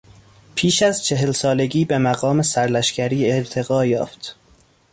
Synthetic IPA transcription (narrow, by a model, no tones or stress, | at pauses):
pʰiːʃæzt͡ʃʰe̞ɦelsɒːle̞ɟiːbe̞mæɣɒːme̞sæɾlæʃcæɾiːeɾt̪ʰe̞ɣɒːjɒːft̪